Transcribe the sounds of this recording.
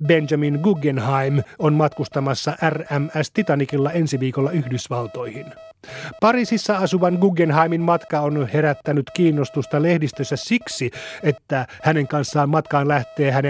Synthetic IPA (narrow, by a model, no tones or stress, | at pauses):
bend͡ʒɑminɡuɡenhɑjmonmɑt̪kust̪ɑmɑsːɑʔæræmæst̪it̪ɑnikilːɑe̞nsiʋiːkolːɑyhdysʋɑlt̪o̞jhin | pɑɾiːsisːɑɑsuʋɑnɡuɡenɦɑjminmɑt̪kɑonhe̞ɾæt̪ːænyt̪kiːnːo̞st̪ust̪ɑle̞hdist̪øsːæssiksie̞t̪ːæhæne̞ŋkɑnsːɑːmmɑt̪kɑːnlæht̪e̞ːɦæne